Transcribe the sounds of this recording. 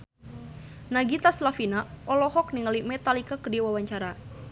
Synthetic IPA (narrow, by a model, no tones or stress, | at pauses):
naɡit̪aslafinaɔlɔhɔk̚niŋalimɛt̪alikakədiwawaɲt͡ʃaɾa